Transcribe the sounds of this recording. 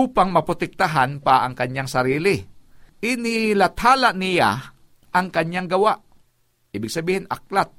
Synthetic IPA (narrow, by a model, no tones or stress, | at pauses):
uːpaŋmɐpɾot̪ɛk̚t̪aɦanpaʔɐŋkɐɲjaŋsɐɾiːlɪʔɪnɪlɐt̪haːlaʔnɪja̰ | ʔɐŋkɐɲjaŋɡɐwaʔ | ʔiːbɪɡ̚sɐbiːhɪnʔɐk̚lat̪̚